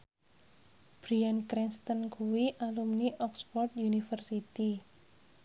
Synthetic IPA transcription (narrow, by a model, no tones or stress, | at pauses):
b̥ɾiankɾinst̪ənkuwiʔalumniʔɔkspɔrt̪junifərsit̪i